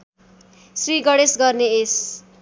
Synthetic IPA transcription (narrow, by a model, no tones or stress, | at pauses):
sriɡʌɽesɡʌrnees